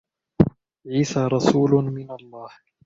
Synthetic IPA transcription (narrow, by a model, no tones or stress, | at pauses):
ʕiːsaːɾˤɑsuːlʊmɪnalˤːɑːh